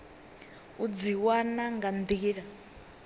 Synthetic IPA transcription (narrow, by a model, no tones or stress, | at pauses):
ud͡ziwanaŋɡand̪iiɺa